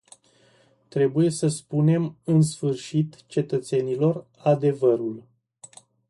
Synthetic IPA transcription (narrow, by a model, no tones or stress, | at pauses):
t̪ɾe̞buje̞səspune̞mɨnsfɨrʃit̪t͡ʃe̞t̪ət̪se̞nilo̞r | ad̪e̞vəɾul